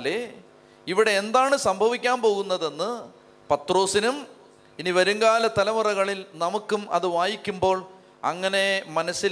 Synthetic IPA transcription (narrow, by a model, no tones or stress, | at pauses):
le | iʋiɽe̞ːnd̪aːɳɨsɐmbʱɐʋikʲːaːnpo̞ːɣunːɐðe̞nːɨ | pɐt̪ro̞ːsinum | iniʋɐɾuŋɡaːlɐt̪ɐlɐmɨrɐɣɐɭilnɐmukːumʔɐ̰ðɨʋaːjikʲːumbo̞ːɭ | ɐ̰ŋːɐne̞mɐnɐsːil